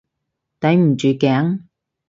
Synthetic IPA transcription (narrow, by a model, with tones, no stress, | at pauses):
t̪ɐ˨˥jm̩˨˩t͡ʃy˨˧˩kɛː˨˥ŋ